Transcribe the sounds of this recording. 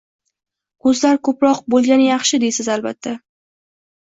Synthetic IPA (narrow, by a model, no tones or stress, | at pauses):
kʰɵzlaɾkʰɵpɾɒqbolˠɡʲanɪjɑχʃɪd̪esɪzalbat̪ʰːa